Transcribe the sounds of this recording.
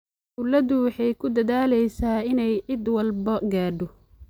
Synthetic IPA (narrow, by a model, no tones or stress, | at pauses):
ʊlɐðʊwɑħɑjkʰʊd̪ɐðaːlɛjsaːɪnɛjʕɪd̪wɐlbɐɡaːɖɔ